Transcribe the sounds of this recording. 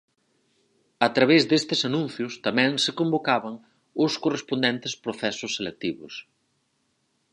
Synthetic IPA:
at̪ɾaβezðest̪ɪsanũn̟θjʊst̪amɛ̃ŋsɪkombokaβɐŋ | ʊskorespond̪ɛnt̪ɪspɾoθɛsʊsːelek̚t̪iβʊ̰s

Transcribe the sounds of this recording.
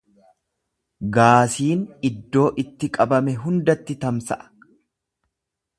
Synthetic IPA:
ɡaːsiːnɪd̪ːo̞ːʔɪt̪ːɪkʼɐbɐmɛɦʊnd̪ɐt̪ːɪt̪ɐmsɐ̰ʔɐ̥

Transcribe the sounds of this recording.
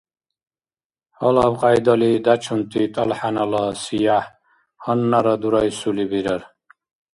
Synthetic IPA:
hɔlabqʼajd̪ɔlid̪at͡ʃʰunt̪ʼit̪ʼɔlħanalɔsijaħ | hɔnːaɾɔd̪uɾɔjsulibiɾɔɾ

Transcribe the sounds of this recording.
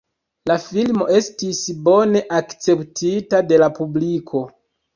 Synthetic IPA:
lafilmo̞̰ʔe̞stisbo̞ne̞ʔakt͡se̞ptʰitade̞lapublikʰo̞

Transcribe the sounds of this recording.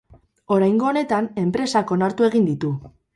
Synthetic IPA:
o̞ɾajŋɡo̞ːne̞t̪ane̞mpɾe̞sako̞naɾt̪ue̞ɣ̞ind̪it̪u

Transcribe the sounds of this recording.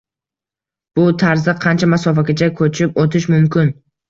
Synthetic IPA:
b̥ʊt̪ʰaɾzɪqʰɑnt͡ʃʰamasɒfakʲat͡ʃʰakʰɵt͡ʃʰɪpot̪ʰɪʃmʊmkʲʰɪn

